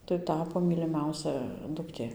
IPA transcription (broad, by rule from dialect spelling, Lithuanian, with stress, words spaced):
tɐɪ ˈtɑːpoː mʲiːlʲɪˈmʲɛʊsʲɛ dʊkˈtʲeː